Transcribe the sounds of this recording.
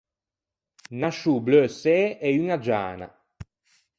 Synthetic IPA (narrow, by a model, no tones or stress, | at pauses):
naʃubløseɛyŋad͡ʒa̰ːna̰